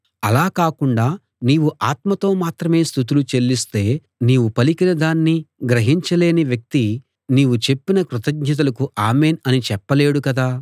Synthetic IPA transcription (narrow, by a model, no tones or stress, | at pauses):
ɐlaːkaːkuɳɖaː | niːʋuʔaːt̪mɐt̪o̞ːmaːt̪ɾɐme̞ːst̪ʰut̪̬ulut͡ʃe̞lːist̪e̞ː | niːʋupɐlikinɐd̪aːnːiɡɾɐɦiɲt͡ʃɐle̞ːniʋjɐk̚t̪i | niːʋut͡ʃe̞pːinɐkɾut̪ɐɡ̚ɲɐt̪̬ɐlɐkuʔaːme̞ːnɐnit͡ʃɛpːɐle̞ːɽukɐd̪aː